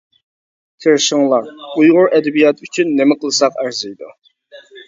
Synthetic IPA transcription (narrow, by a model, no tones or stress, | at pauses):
t̪ʰeɾʃɪŋlˠɑɾujʁʊɾʔɛd̪ɛbijɑt̪yt͡ʃʰynːemɛqʰəlˠɨsɑqæɾzɪjd̪u